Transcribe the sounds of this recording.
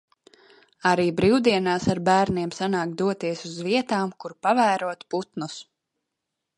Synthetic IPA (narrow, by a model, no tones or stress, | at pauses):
aɾiːbɾiwd̪iɛnaːsaɾbæːɾniɛmsanaːkt̪̚d̪uɔt̪iɛsuzviɛt̪aːmkuɾpavæːɾuɔt̪put̪nus